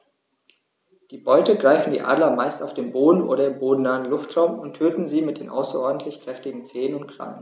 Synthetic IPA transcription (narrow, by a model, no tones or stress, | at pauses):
d̥iːbɔʏtəɡʁaɪfn̩dḭːʔa̰ːdlɐmaɪstaʊfd̥eːnboːdn̩ʔo̰ːɾɐɪmboːdn̩naːənlʊftʁ̥aʊmʊntʰøːtn̩ziːmɪt̚d̥eːnʔa̰ʊsɐʔɔɐdn̩tʰlɪçkʁ̥ɛftɪɡŋ̩t͡seːənʊnt̚kʰl̥a̰ŋən